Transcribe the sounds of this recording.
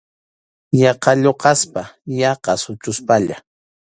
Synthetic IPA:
jɑqɑʎoqɑspajɑqɑsʊt͡ʃʊspaʎa̰

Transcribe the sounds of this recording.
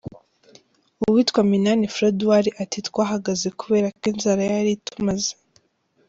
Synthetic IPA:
uwitkwaminanifɾeduwaɾiʔatitwaːɦaɡaze̞kuβe̞ːɾakinzaɾajaɾitumaze

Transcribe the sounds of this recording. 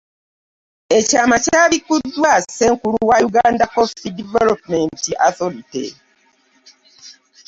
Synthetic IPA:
ecaːmacaːβikudːwaseːŋkuluwajuɡaːndapofi̥sidivelopmentiʔaθolitḛ

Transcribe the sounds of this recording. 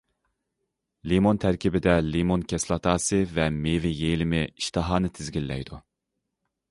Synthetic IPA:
limont̪ʰæɾkʲibɪd̪ɛlimonkʲʰɛslˠɑt̪ʰɑːsɨvɛmevɪjejlɪmɪiʃt̪ʰɨɦɑːnɨt̪ʰɪzɡʲilːɛ̰jd̪u

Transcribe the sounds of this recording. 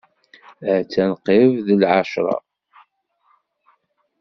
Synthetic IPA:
t͡sːænqɪvðəlʕaʃɾˤɑ̰

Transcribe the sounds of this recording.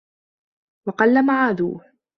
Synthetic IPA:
wɑqɑlːamaʕaːðṵːh

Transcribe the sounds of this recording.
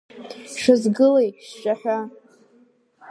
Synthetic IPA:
ʂɨzɡɨlejʃt͡ʃʷʼaħᶣa

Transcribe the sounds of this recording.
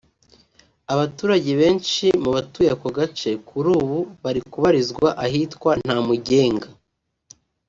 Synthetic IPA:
aβatuːɾaɟe̞βe̞ːnt͡ʃimuβatujakoɡat͡ʃe̞kʰuɾuːβuβaɾikuβaɾizɡwaʔaɦitkwan̥haːmuɟe̞ːŋɡa

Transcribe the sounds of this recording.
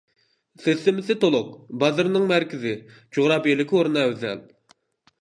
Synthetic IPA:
sesːɪmɪsɪt̪olˠʊq̚bɑzɨɾnɨŋmæɾkʲɪzɪ | d͡ʒuʁɾɑːbelɪkʲoɾunɑøzɛ̰l

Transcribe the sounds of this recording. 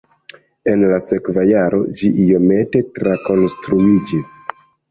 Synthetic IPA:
e̞nlase̞kvajaɾo̞̰d͡ʒiʔijo̞me̞te̞tɾako̞nstɾuid͡ʒis

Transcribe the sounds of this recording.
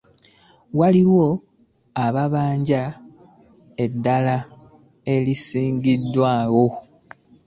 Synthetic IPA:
waliwo̞ | aβaβaːɲɟa | e̞dːala | e̞lisiːŋɡidːwaːɣo̞

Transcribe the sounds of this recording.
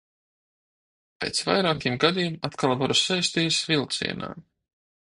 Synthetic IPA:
pḛːt̪sva̰jɾaːkʲiɛmɡad̪iːmat̪kalˠvaɾusajst̪iːsvilˠt̪sḭɛna̰ː

